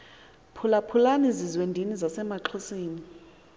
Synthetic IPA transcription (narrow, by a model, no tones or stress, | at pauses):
pʰulapʰulanizizwendʱinizasɛmaǁʰusiːni